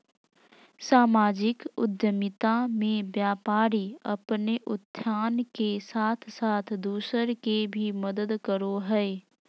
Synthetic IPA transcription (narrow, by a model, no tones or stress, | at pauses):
saːmaːd͡ʒɪkʊ̰d̪jəmɪt̪amẽbjaːpaːɾiɐpneʔʊt̪ʰːjaːnkesaːt̪ʰsaːt̪ʰd̪uːsəɾkebʱiməd̪əd̪kəɾoɦɛe